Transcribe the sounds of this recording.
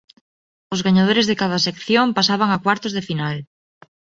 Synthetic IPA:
ʊzɣaɲaðoɾezðekaðɐsekθjompasaβaŋakwaɾt̪ozðefinal

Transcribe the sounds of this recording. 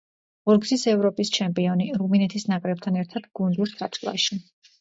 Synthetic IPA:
ɔɾɡzisɛvɾɔpʼist͡ʃʰɛmpʼiɔniɾuminɛt̪ʰisnakʼɾɛb̚t̪ʰanɛɾt̪ʰad̪̥ɡund̪usa̰t͡ʃ̪ʰʼlˠa̰ʃi

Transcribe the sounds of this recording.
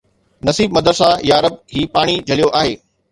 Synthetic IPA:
nɐsiːbmɐd̪əɾsajaːɾəb̚ɦiːpaːɽ̃id͡ʑʱɐlijoʔaːɦeː

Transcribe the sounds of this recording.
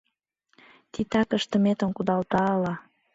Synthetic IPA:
t̪it̪ɑkəʃt̪əmet̪ə̆nkud̪ɑlt̪ɑəlɑ

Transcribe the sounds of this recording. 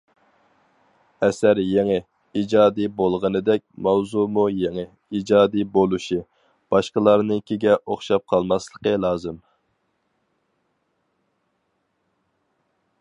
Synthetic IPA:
ɛsæɾjeŋɪ | id͡ʒɑːd̪ibolˠʁənɨd̪ɛk̚ʲmɛwzumujeŋɨ | id͡ʒɑːd̪ibolˠuʃi | b̥ɑʃqəlˠɑɾnɨkʲʰeɡʲɛʔoχʃɑp̚qʰɑlˠmɑslˠəqəlˠɑːzɨm

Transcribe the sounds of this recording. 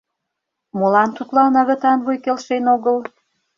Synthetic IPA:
molɑnt̪ut̪lɑnɑɣə̆t̪ɑnβujkelʃenoɣəl

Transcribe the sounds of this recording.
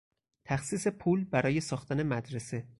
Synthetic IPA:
t̪ʰæxsiːse̞pʰuːlbæɾɒːje̞sɒːxt̪ʰæne̞mæd̪ɾese

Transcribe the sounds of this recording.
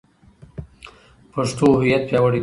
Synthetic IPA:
pəʂt̪oɦʊjat̪̚pjɑwəɽe

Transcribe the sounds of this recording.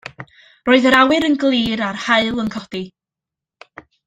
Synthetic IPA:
roːɨðəɾawɨɾənɡlˠiːɾarhaɨlˠənkʰɔd̥i

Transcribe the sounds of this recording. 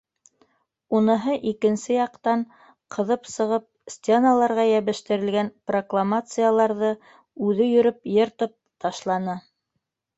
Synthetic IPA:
unɤ̆ɦɤʔikɘ̆nsɘjɑqt̪ɑɴ | qʰɤ̆ðɤpsɤ̆ʁɤp̚sʲt̪ʲenalˠɑɾʁɑjæβɘ̆ʃt̪ɘ̆ɾɘ̆lɡænproklˠamat̪sɨjalˠɑɾðɤ | ʉðɘjɵ̆ɾɵpjɤ̆ɾt̪ɤp̚t̪ɑʃlˠɑnɤ

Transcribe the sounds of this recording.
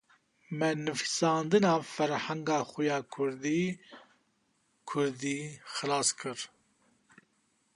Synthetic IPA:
mɛnɨfi̥sɑːnd̪ɨnɑːfɛɾhæŋɡɑːxujɑːkʰʊɾd̪iː | kʰʊɾd̪iːxɨlɑːskʰɨɾ

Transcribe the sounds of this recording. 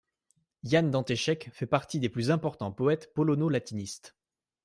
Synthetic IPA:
jand̪ɑ̃t̪eʃɛkfɛpaʁt̪id̪eplyzɛ̃pɔʁt̪ɑ̃pɔɛt̪pɔlɔnolat̪inist̪

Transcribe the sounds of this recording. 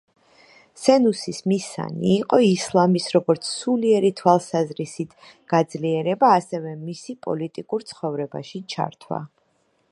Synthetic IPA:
sɛnusismisa̰nḭːqʼɔislˠamisɾɔɡɔɾt̪sʰsuliɛɾit̪ʰwalˠsazɾisit̪ʰ | ɡ̥ad̪zliɛɾɛbaːsɛvɛmisipʼɔ̰lit̪ʼikʼuɾt̪sʰχɔvɾɛba̰ʃit͡ʃʰa̰ɾt̪ʰwa̰

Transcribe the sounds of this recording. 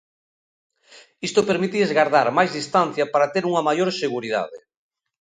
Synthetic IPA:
ist̪opeɾmit̪iezɣaɾðaɾmajzðist̪an̟θjapaɾat̪eɾuŋɐmajoɾseɣuɾið̞a̰ðɪ̰

